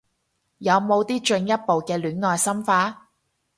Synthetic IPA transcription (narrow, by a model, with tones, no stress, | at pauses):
jɐ˨˧wmo˨˧wt̪iː˥t͡ʃɵ˧ŋjɐ˥t̚po˨wkɛː˧lyː˨˥nŋɔː˨jsɐ˥mfaː˨˥